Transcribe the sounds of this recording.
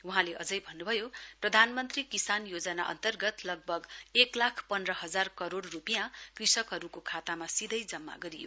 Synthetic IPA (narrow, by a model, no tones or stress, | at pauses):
uɦãleʔʌd͡zʌjbʱʌnːubʱʌjoprʌd̪ʱanmʌnt̪rikisanjod͡zʌna̰ʔʌ̰nt̪ʌrɡʌt̪lʌɡ̚bʱʌɡeklakʰpʌndrʌɦʌd͡zarkʌɾoɽrupijãkrisʌkɦʌɾukokʰat̪amasid̪ʱʌjd͡zʌmːa̰ɡʌɾijo